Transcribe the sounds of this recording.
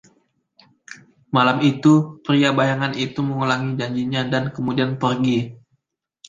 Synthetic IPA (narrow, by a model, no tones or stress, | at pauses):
malamit̪upɾiabajaŋanit̪uməŋulaŋid͡ʒaɲd͡ʒiɲadankəmudianpərɡi